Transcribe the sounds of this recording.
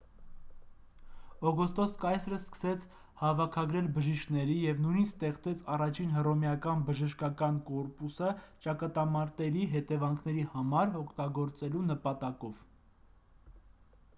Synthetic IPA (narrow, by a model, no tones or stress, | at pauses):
ɔɡɔst̪ɔskɑjsɾəskə̥sɛt͡sʰ | hɑvɑkʰɑɡɾɛlbəʒiʃkʰnɛɾijɛvnujnit͡sʰst̪ɛχt͡sɛt͡sʰɑrɑt͡ʃʰinɦərɔmjɑkɑnbəʒəʃkɑkɑnkɔɾpusət͡ʃɑkɑt̪ɑmɑɾt̪ɛɾiɦɛt̪ɛvɑŋkʰnɛɾihɑmɑɾɔkʰt̪ɑɡɔɾt͡sɛlunəpɑt̪ɑkɔv